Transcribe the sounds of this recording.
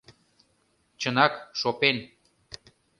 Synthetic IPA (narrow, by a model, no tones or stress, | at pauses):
t͡ɕənɑkʃopen